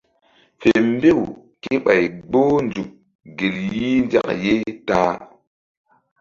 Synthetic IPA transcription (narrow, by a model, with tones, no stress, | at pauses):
fe˨m˦be˦˨w | ke˦ɓa˨jɡ͡bo˦nd͡zu˨k̚ | ɡe˨lji˦nd͡ʒa̰˦˨kje˦ta˦